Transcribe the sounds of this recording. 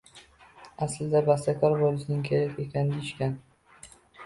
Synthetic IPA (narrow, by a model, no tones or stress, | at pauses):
aslɪd̪abast̪akʰʲɒɾbɒlɪsɪnɪŋkʲʰejɪfekʲʰand̪ɪɪʃkʲan